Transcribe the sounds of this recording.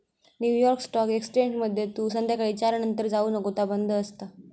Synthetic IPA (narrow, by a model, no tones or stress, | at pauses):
njuːjɔɾksʈɔkekst͡ɕeɲd͡ʑməd̪ʱːjet̪uːsənd̪jakəɽiːt͡ɕaɾnənt̪əɾd͡zaunəkot̪abənd̪ʱəːst̪a